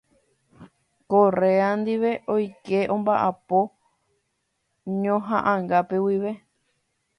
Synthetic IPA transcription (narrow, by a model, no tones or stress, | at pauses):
kore̞and̪iʋe̞ʔojke̞ʔõ̞mbaʔapo | ɲõɦã̰ʔãŋɡape̞wiʋe̞